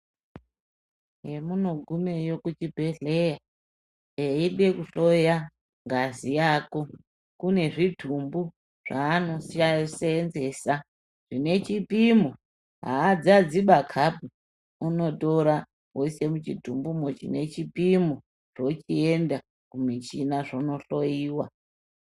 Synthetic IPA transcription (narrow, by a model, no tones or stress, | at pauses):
ɦe̞muno̞ɡʱume̞jo̞kut͡ʃibʱe̞ɮe̞ja | eiɗe̞kuʃo̞ja | ŋɡazijaːko̞ | kune̞ʐitumbu | ʐ̥aːno̞sasenze̞ːsa | ʐ̥ine̞t͡ʃipimo | ɦa̰ːd͡zad͡ziɓakʰapu | uno̞to̞ɾa | ose̞mut͡ʃitumbumot͡ʃḭne̞t͡ʃipimu | ʐ̥o̞t͡ʃienda | kumit͡ʃinaʐono̞ɬo̞iːwa